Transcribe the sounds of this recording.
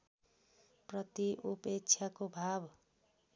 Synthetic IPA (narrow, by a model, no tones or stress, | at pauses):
prʌt̪iʔupek̚t͡sʰjakobʱab